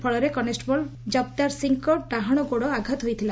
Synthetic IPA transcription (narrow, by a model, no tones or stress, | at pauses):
pʰɔɭɔɾekɔnesʈbɔld͡ʒɔb̚t̪aɾsiŋkɔʈaɦɔɽ̃ɔɡoɽɔaɡʱat̪ɦojt̪ʰila